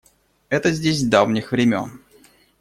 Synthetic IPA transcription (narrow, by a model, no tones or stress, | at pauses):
ɛt̪əzʲdʲesʲvd̪avnʲɪxvɾʲɪmʲo̰n